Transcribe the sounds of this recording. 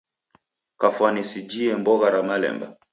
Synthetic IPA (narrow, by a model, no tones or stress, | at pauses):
kafwanisid͡ʒiɛmbɔɣaɾamalɛ̰mba̰